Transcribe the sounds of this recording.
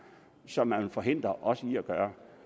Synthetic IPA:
sɒ̽mːænfɒɦe̝n̰d̥ʁɐʔɒ̽səiæɡ̥ɶːɐ

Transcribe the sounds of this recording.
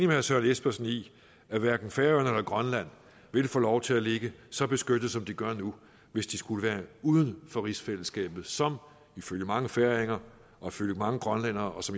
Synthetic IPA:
nimesɶɐnesb̥ɐsn̩i | æʋæɐɡ̥n̩feːɐnelɐɡ̥ʁɶnlæn̰ | ʋe̝lfɔ̰ːlɒʊt͡sʰe̝æle̝ɡ̥əsɒ̽b̥e̝sɡ̥ød̥ð̩ˠsɒ̽md̥iɡ̥ɶɐnu | ʋe̝sd̥isɡ̥uləʋæːɐuːð̞ˠənfɒ̽ʁisfel̰əsɡ̥ɛ̰ːb̥ð̩ˠsɒ̽m | iføljəmɑ̈ŋəfæɐeŋɐ | ʔɒ̽iføljəmɑ̈ŋəɡ̥ʁɶnlen̰ɐːɒ̽sɒ̽m

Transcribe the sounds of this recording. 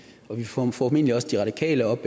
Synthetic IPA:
ɒ̽ʋifɒme̝̰n̰əliɒ̽səd̥iʁɑ̈d̥ikʰɛ̰ːləɒ̽b̥e

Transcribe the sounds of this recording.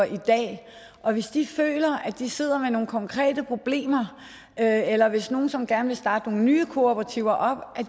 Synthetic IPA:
ɐʔid̥ɛ̰ː | ʔɒ̽ʋe̝sd̥ifø̰ːlɐʔæd̥ise̝ð̞̰ˠɐmeno̝ːn̩kʰɒ̽ŋkʰʁɛ̰ːd̥əpʰʁo̝b̥le̝̰ːmɐ | øelɐʋe̝sno̝ːn̩sɒ̽mɡ̥æɐnʋe̝sd̥ɑ̈ːd̥əno̝ːn̩nyːkʰo̝ob̥ʰpʁɑ̈t͡sʰiʊɐʔɒ̽b̥ʔæ

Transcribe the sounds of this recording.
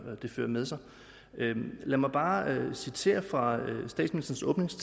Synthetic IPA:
d̥e̝fø̰ːɐmeðˠsɑ̈ɪ | ølæmɑ̈ɪb̥ɑ̈ːøsit͡sʰe̝̰ːɐfʁɑ̈øsd̥ɛ̰ːdsminisd̥ɐn̩sɔ̽ːb̥ne̝ŋst͡sʰ

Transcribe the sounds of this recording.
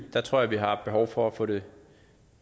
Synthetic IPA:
d̥ɑ̈t͡sʰʁo̝ɐ̰jæʋiɦɑ̈b̥e̝ɦɒʊfɒæfɔ̽ːɾe̝

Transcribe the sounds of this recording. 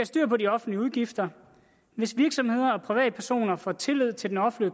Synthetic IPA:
æsd̥y̰ːɐ̰pʰɒ̽diɒ̽fn̩liəuð̞ˠɡ̥ifd̥ɐ | ʋe̝sʋiɐɡ̥sɒ̽mhe̝ð̰ˠɐɒ̽pʰʁiʋɛ̰ːd̥əpʰæɐso̝̰ːnɐfɒ̰t͡sʰe̝lyð̞̰ˠt͡sʰe̝ldenɒ̽flø

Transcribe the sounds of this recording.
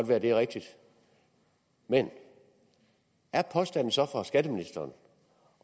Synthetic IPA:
d̥ʋæːɐd̥e̝ʁeɡ̥̚d̥id̥ | men | æɐpʰɒ̽sd̥æn̰n̩sɒ̽fɒsɡ̥æd̥əminisd̥ɐːn

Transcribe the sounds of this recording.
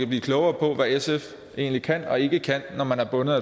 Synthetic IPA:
æb̥lḭːkʰlɔʊɐːpʰɒ̽ʋæesef | ʔe̝̰ːnlikʰæn̰ɒ̽e̝ɡ̥əkʰæn̰ːɒmænæɐb̥ɔ̽nəð̩ˠæ

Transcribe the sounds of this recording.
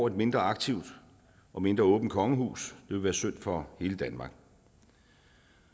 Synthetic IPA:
ɒʊe̝d̥me̝nd̥ʁɐɑ̈ɡ̥̚t͡sʰiʊd̥ | ʔɒ̽me̝nd̥ʁɐɔ̽ːb̥n̩̚kʰɒ̽ŋəhṵːsd̥e̝ʋe̝ʋæːɐsøn̰d̥fɒ̽he̝ːləd̥ænmɑ̈ːɡ̥

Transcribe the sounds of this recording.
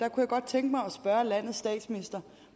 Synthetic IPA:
d̥ɑ̈kʰujɑ̈ɡ̥ɒ̽d̥̚t͡sʰeŋɡ̥əmɑ̈ɪɒ̽sb̥ɶɐlæn̰ð̩ˠsd̥ɛ̰ːd̥sminisd̥ɐ

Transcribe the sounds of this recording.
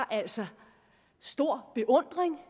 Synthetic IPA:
ʔæl̰sɒ | sd̥o̝ɐ̰b̥e̝ʔɔ̽n̰d̥ʁeŋ

